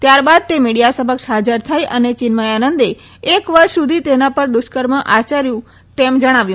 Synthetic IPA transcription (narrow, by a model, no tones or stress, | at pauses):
t̪jaɾbad̪̚t̪emiɽijasəməkʃɦad͡ʒəɾt̪ʰajʔənet͡ʃɪnməjanənd̪e | ekʋəɾʃsud̪ʱit̪enapəɾd̪ʊʃkəɾməʔat͡ʃaɾjũ | t̪emd͡ʒəɽ̃aʋjũ